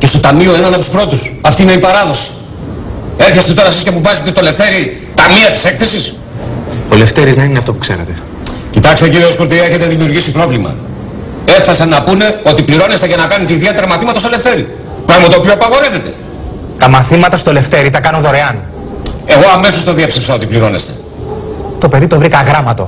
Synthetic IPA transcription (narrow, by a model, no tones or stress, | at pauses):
ce̞st̪o̞t̪ɐmio̞enɐnɐpt̪u̥spɾo̞t̪usɐft̪iːneipɐɾɐðo̞si̥ | e̞ɾçe̞st̪et̪o̞ɾɐsiscemuvɐzet̪et̪o̞le̞ft̪e̞ɾi | t̪ɐmiɐt̪i̥se̞kθe̞sis | ole̞ft̪eɾiznɐnineɐft̪o̞pu̥kseɾḛt̪e̞ | cit̪ɐkst̪eciɾiooskoɾt̪̬iɾiɐeçe̞t̪e̞ðimiuɾʝisipɾo̞vlimɐ̰ | e̞fθɐsɐnːɐpune̞o̞t̪ipliɾo̞ne̞st̪eʝɐnɐkɐnut̪eiðie̞t̪eɾɐmɐθimɐt̪ɐst̪ole̞ft̪e̞ɾi | pɾɐɣmɐt̪oːpioɐpɐɣo̞ɾeve̞t̪e̞̰ | t̪ɐmɐθimɐt̪ɐst̪o̞le̞ft̪e̞ɾit̪ɐkɐno̞ðo̞ɾe̞ɐn | e̞ɣo̞ɐme̞sost̪oðiepsepsɐot̪ipliɾo̞nest̪e̞̥̰ | t̪o̞pe̞ðit̪o̞vɾikɐɣɾɐmɐt̪o̞̰